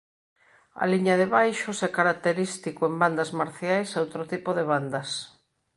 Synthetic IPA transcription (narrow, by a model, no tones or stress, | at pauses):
a̰liɲaðeβajʃosɛkaɾak̚t̪eɾist̪ikʊemband̪azmaɾθjajsowt̪ɾot̪ipoðeβand̪ɐs